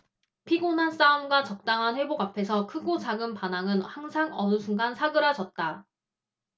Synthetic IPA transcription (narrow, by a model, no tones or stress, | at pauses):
pʰiɡonɦans͈aumɡwat͡ɕʌk̚t͈aŋɦanɸwe̞boɡapʰe̞sʰʌkʰɯɡot͡ɕaɡɯmpanaŋɯnhaŋsʰaŋʌnusʰuŋɡansʰaɡɯɾad͡ʑʌt̚t͈a